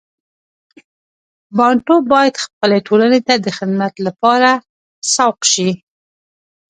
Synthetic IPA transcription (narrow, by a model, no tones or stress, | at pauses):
bɑɳʈobɑjad̪xpəleʈʰolanet̪ad̪əxɪd̪mat̪lapɑɾa | sɑwqʃi